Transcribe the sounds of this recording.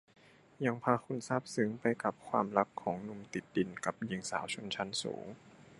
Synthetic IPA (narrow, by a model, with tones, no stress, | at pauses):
ja˧ŋpʰaː˧xʰu˧˥nsaː˥˩p̚sɯ˨˦ŋpa˧jka˨˩p̚kʰwa̰ː˧mɾa˦˥kkʰːɔː˩˦ŋnu˧mt̪i˨˩t̪̚di˧nka˨˩p̚ji˧ŋsa̰ː˩˦wt͡ɕʰo˧˥nt͡ɕʰa˦˥nsṵː˩˦ŋ